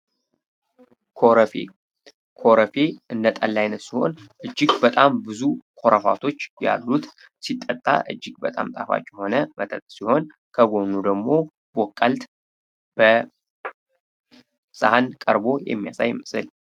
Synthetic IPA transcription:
kʰofe | kʰo̞ɾəfeʔɨnːət̪ʼalːajnət̪siho̞̰nʔɨd͡ʒːɪɡbət̪ʼambɨzukʰo̞ɾəfa̰t̪ʰo̞t͡ʃːja̰lːut̪ | sit̪ʼːət̪ʼːa̰ʔɨd͡ʒːɪɡ̚bət̪ʼamt̪ʼafa̰t͡ʃʼːɛho̞nəmʔət̪ʰʼət̪ʼsiho̞n | kʰəɡo̞nud̪əɡmo̞ | b̥okʼːəlt̪ | b̥ə | sʼahənkʼəɾbo̞jɛ̰mːijasajmɨsɨl

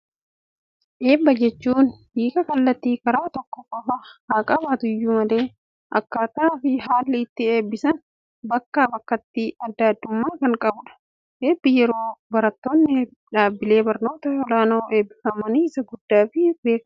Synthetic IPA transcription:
ʔe̞ːbːɐd͡ʒɛt͡ʃːuːnb̥iːkʼɐkɐlːɐt̪ːiːkɐɾaːt̪ɔkːɔkːɔfɐhaːkʼɐbaːt̪ʊjːuːmɐle̞ː | ʔɐ̰kːaːt̪aːfɪɦaːlːɪɪt̪ːɪe̞ːbːɪsɐn | bɐkːaːbɐkːɐt̪ːiɐd̪ːɐːd̪ːʊmːaːkɐŋkʼɐbʊᶑɐ̥ | ʔeːbːɪjɛɾo̞ːbɐɾɐt̪ːo̞ːnːɪ | ᶑaːbːɪle̞ːbɐɾno̞ːt̪ɐɔlaːnoːʔe̞ːbːɪfɐmɐniɪsɐɡʊd̪ːaːfɪbe̞ːk

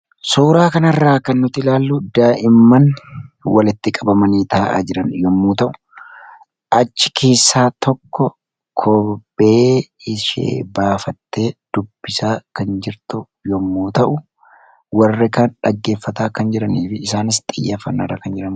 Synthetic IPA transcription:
suːɾaːkɐnɐrːaːkɐnːʊt̪ɪlaːlːʊd̪aːʔɪmːɐnwɐlɪt̪ːɪkʼɐbɐmɐniːt̪aːʔa̰d͡ʒɪɾɐnjɔmːuːt̪ɐʔʊ̥ | ʔɐt͡ʃːɪ̥kʰe̞ːsːaːt̪ɔkːɔ | kʰɔbeːɪʃḛːbaːfɐt̪ːe̞ːd̪̥ʊb̥ːɪsaːkɐnd͡ʒɪɾt̪ʊ | jɔmːuːt̪ɐʔʊ | wɐrːɛkanᶑɐɡːe̞ːfːɐt̪aːkɐnd͡ʒɪɾɐniːfɪːsaːnɪst̪ʼɪjːɐfɐnːɐrːɐkɐnd͡ʒɪɾɐn

